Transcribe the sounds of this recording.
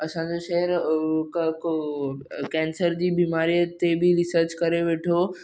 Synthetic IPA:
ɐsãɲd͡ʑoʃɛɦəɾkko | kɛ̃ːnsəɾd͡ʑiːbiːmaːɾijət̪ebiɾɪsəɾt͡ɕkɐɾeʋeːʈʰo

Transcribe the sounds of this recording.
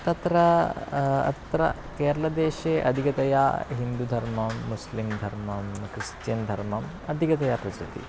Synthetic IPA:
t̪ɐt̪ɾɐ | ɐ̰t̪ɾɐ̰ | keːɾɐlɐd̪eːʃeːʔɐ̰d̪ʱikɐt̪ɐjaːɦind̪ud̪ʱɐɾmɐmːuslimd̪ʱɐɾmɐmkɾist̪jɐnd̪ʱɐɾmɐm | ɐd̪ʱikɐt̪ɐjapɾɐtɾit̪ḭ

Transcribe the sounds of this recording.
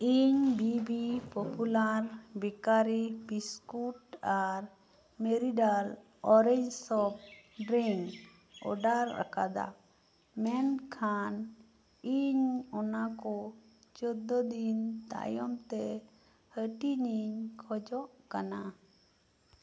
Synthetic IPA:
iɲbibipɔpulaɾbikaɾibiskuʈaɾ | meɾiɖal | ɔɾɛɲd͡ʒsɔp̚ɖɾiŋ | ɔ̰ɖaɾːa̰kad̪a̰ | mɛnkʰan | iɲɔnakɔ | t͡ʃɔd̪ɔd̪int̪a̰jɔmt̪ɛ | həʈiɲiɲkʰɔd͡ʒɔʔkana

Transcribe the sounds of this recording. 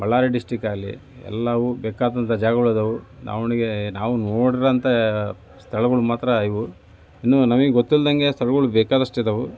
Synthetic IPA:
bɐɭːaːɾeɖisʈikaːlːḭ | ɛ̰lːɐʋubɛːkaːd̪ɐnt̪ɐd͡ʒaːɡɐuɭɐd̪ɐʋuna̰ːʋniɡenaːʋunoːɽiɾɐɐnt̪ɐ | st̪ʰɐɭɐɡuɭumaːt̪ɾɐːjʋu | inːunɐmɐɡeɡot̪ːilɐd̪ɐŋɡe̞st̪ʰɐɭɐɡuɭubɛːkaːd̪ɐʂʈed̪ɐʋu

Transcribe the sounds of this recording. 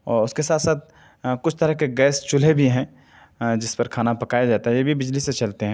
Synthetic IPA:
ɔːɾʊskesaːt̪saːt̪̚ | kʊt͡ʃʰt̪ɐɾəɦkeɡɛːst͡ʃʊlebʱiɦɛ̃ | d͡ʒɪspɐɾkʰaːnapɐkaːjad͡ʒaːt̪aɦɛjebʱibɪd͡ʒliset͡ʃɐlt̪eɦɛ̃ː

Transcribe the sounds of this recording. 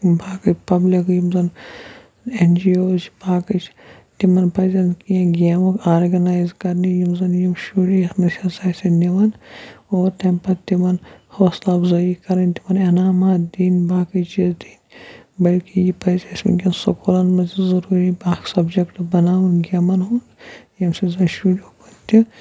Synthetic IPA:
bʱaːkɨt͡ʃpɐblikjimzɐn | end͡ʒioːt͡ʃbaːkɨt͡ʃʰ | t̪imɐnpɐzɐnkiɐ̃ɡʲeːmɐkʰaːɾɡɐnaːjzkɐɾnijimzɐnjimʃuɽisnɐʃʲɐsaːsɐniʋɐnoːɾt̪empɐt̪imɐnhoːslɐbzɐikɐɾɐnʲt̪imɐnɐnaːmaːd̪iːnbaːkɐt͡ʃizd̪iːnbɐlkijipɐzesmḭnɡʲinsɐkolɐnmɐzizɐɾuːɾibaːksɐbd͡ʒɐkʈbɐnaːʋɐnɡʲɐmɐnɦunjɐmsizɐnʃuːɽʲoːpɐt̪ːi

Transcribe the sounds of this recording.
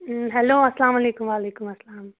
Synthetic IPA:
ɦɛloːɐsɐlaːmaleːkumʋaːleːkumɐsɐlaːm

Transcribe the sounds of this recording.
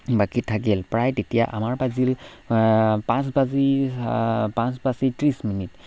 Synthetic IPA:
bakitʰːakilpɹajtetija̰ʔa̰maɹpazil | pãsbazi | pãsbasitɹisminit

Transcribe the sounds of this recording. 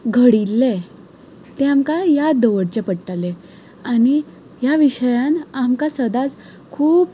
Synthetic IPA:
ɡʱəɽilːe | t̪eamkajad̪əʋəɽt͡ɕepəɽʈale | ani | jaʋiɕəjãnamkasəd̪at͡s | kʰuːp̚

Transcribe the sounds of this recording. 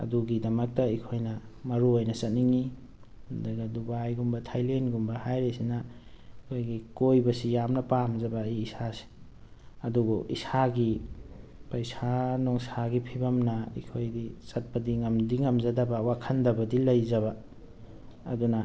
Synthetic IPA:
ɐ̰duɡidɐmɐk̚tɐikʰojnɐmɐɾuojnɐsɐt̚niŋi | ndɐɡɐdubajɡumbɐtʰajlenɡumbɐhajɾesinɐ | ikʰojɡikojbɐsijamnɐpamzɐbɐiːsase̥ | ɐduɡoʔḭsaɡi | pɐjsanoŋsaɡipʰibɐmnɐḭkʰojdisɐt̚pɐdiŋɐmdiŋɐmzɐdɐbɐwakʰɐndɐbɐdilɐjzɐβɐ | dunɐ

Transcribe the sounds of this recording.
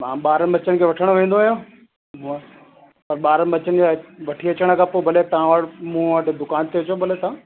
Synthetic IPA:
mãːɓaːɾəbɐt͡ɕənɪ̆kʰeːʋɐʈʰəɽ̃ʋẽːn̆d̪oaːɦjãː | m | pɐɾɓaːɾəbɐt͡ɕənɪ̆d͡ʑaʋɐʈʰiɐt͡ɕəɽ̃kʰãːpobʱɐlet̪ɐʋãʋaɽmũːʋəʈd̪ʊkaːnt̪ʰeɐt͡ɕobʱɐlet̪ɐã

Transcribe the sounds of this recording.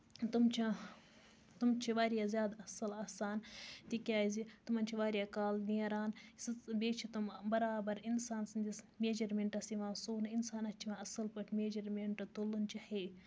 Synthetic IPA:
t̪umt͡ʃʰi | t̪umt͡ʃʰiʋaːɾijaːzʲjaːd̪ɐsɐlaːsaːnt̪ikʲaːizit̪umɐnt͡ʃʰiʋaːɾijaːkaːlniɐɾaːnsbeːt͡ʃʰit̪umbɐɾaːbɐɾinsaːnsɨnd̪is | meːd͡ʒɐɾmeɳʈɐsiʋãːsuːnɐinsaːnɐt͡ʃʰiʋãːɐsɐlpɐʈʰmeːd͡ʒɐɾmeɳʈɐt̪ulunt͡ʃʰiheː

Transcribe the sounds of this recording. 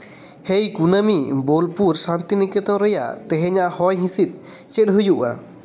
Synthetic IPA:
hejkunəmibolpuɾsant̪inikɛt̪ɔ̃ɾɛja̰ʔt̪ɛ̃ɦɛ̃ɲaʔhɔjɦĩsit̪̚ˀt͡ʃet̪̚ɦujuʔa̰

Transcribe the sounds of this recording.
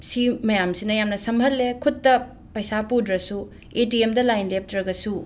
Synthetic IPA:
simɐjamsinɐjamnɐsɐmɦɐlːekʰutːɐ | pɐjsapudɾɐsu | etiemdɐlajnlep̚tɾɐɡɐsu

